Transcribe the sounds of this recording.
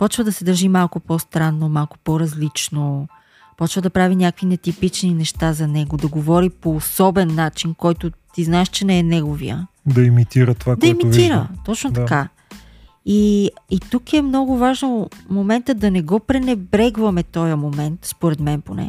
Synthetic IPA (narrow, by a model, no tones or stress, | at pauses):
pɔt͡ʃvəd̪ɐsɛd̪ɐɾʒimalˠkʊpɔst̪ɾanːomalˠkʊ̥pɔɾɐzlit͡ʃno | pɔt͡ʃvəd̪ɐpɾavinʲakəkvinɛt̪ipit͡ʃninɛʃt̪azɐnɛɡod̪ɐɡovɔɾipoːsɔbɛnːat͡ʃinkɔjt̪ʊt̪iznaɛʃt͡ʃɛnɛɛnɛɡovḭə̰ | d̪ɐimit̪iɾət̪ovakd̪ɐɛmitviɾə̰t̪ɔt͡ʃnot̪ɐka | iit̪ukɛmnɔɡʊvaʒnomomɛnt̪əd̪ɐnɛɡɔpɾɛnɛbɾɛɡvɐmɛt̪ɔjəmomɛnt̪spoɾɛd̪mɛnponɛ̰